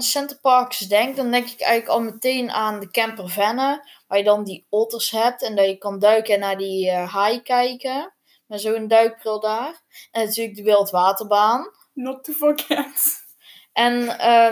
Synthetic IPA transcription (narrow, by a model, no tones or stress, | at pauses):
nsɛntərpɑrksdɛŋk̚dɔndɛŋkɪ̥kɛ̰jɣnləkɔlˠməteːnaːndəkɛmpərvɛnə | ʋaːjədɔndiotərshɛp̚tɛndɔjəkɑndœɥkənaːdiɦajkɛjkə | mɛzoːəndœɥk̚prɪlˠdaːr | ɛnatyːələɡ̚dəʋeːlˠtʋaːtərbaːn | nɔtəvokɛt | ʔɛnə